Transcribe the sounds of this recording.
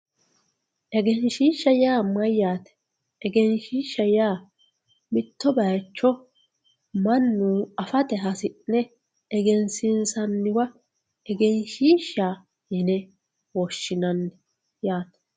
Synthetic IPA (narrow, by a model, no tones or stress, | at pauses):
ʔɛɡɛnʃiːʃːɐjaːmɐjːaːt̪ɛ̥ | ɛɡɛnʃiːʃːɐjaː | mɪt̪ːɔbɐjt͡ʃːɔ | mɐnːuːɐfɐt̪ɛɦɐsɪʔnɛ | ɛɡɛnsɪnsɐnːɪwɐ | ɛɡɛnʃiːʃːaː | jɪnɛ | wɔʃːɪnɐnːɛ | jaːt̪ɛ̥